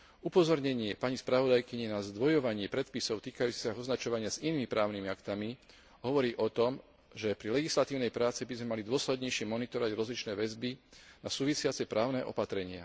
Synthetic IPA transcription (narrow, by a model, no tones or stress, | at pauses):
upɔzɔɾɲɛɲɪɛpaɲispɾaʋɔd̪ajkiɲɛnazd̪ʋɔjɔʋaɲɪɛpɾɛt̪pisɔʊt̪iːkajuːt͡si̥saɦɔznat͡ʃɔʋaɲɪaziniːmipɾaːʊnimiakt̪ami | ɦɔʋɔɾiːʔɔt̪ɔm | ʒɛpɾilɛɡislat̪iːʊnɛjpɾaːt͡sibizmɛmalid̪ʊɔslɛd̪ɲɛjʃɪɛmɔnit̪ɔɾɔʋaɟɾɔzlit͡ʃnɛːʋɛzbinasuːʋisɪat͡sɛpɾaːʊnɛʔɔ̰pat̪ɾɛɲɪa̰